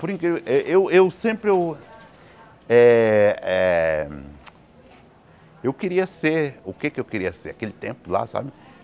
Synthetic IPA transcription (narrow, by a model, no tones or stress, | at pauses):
poɾĩkɾiʔeʔewewsẽmpɾɪew | ɛɛ | ewkɪɾiɐseɾʊkekɪewkɪɾiɐseɾakelɪt̪ẽmpʊla̰sa̰bɪ